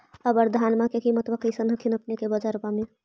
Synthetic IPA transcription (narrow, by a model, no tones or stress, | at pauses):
əbəɾd̪ʱaːnmakekimət̪bəkəsənəkʰinəpnekebəd͡ʒaɾpame